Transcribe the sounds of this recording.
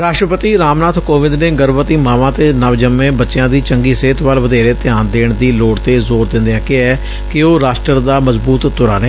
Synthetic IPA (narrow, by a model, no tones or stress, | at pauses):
ɾaːʃʈɾəpət̪iːɾaːmnaːt̪ʰkoːʋɪ̃nd̪nẽːɡəɾʋət̪iːmaːʋãːt̪eːnəʋd͡ʒəmːẽːbətːʃɪjãːd̪iːt͡ʃəŋɡiːseːt̪ʰʋaːlʋəd̪eːɾeːt̪ɪaːnd̪eːɳd̪iːloːɽt̪eːzoːɾd̪ɪ̃nd̪eãːkɪɛː | kɪoːɾaːsʈəɾd̪aːməzbuːt̪ːʊɾaːneː